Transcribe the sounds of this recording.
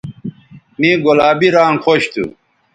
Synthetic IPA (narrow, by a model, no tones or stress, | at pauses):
mĩɡolaːbiɾaːŋxoɕt̪ʰṵ